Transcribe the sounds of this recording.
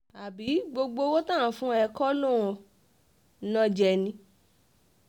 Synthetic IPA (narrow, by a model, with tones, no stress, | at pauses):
a˨bi˨˦ɡ͡bo˧ɡ͡bo˧wo˦tã˦˨fũ˦ɛ˧kɔ˦lõ˦˨ɔ̃˨ | nã˦d͡ʒɛ˧˨nĩ˧˦